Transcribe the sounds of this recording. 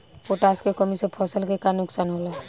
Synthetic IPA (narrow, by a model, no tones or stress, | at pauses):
poʈaskekəmisepʰɔsəlkekanʊksaːnɦola